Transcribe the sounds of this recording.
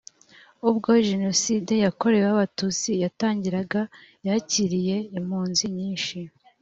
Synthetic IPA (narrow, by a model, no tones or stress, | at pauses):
ubɡo̞ʒe̞no̞side̞jako̞ɾe̞waβatut͡sijataːɲɟiɾaɡajaciɾije̞im̥huːnziɲiːnʃi